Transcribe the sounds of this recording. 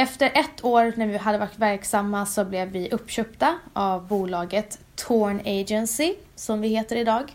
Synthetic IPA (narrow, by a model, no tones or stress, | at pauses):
ɛft̪əɾʔɛt̪ʰːoːɾnæɾvɪɦad̪ːəvaʈvæɾksamːasɔblɛvːɪʔɵpːɕœpt̪aʔavbuːlɑːɡət̪ʰːoːɳeːd͡ʒɛnsɪ | sɔmvɪheːt̪əɾɪd̪ɑːɡ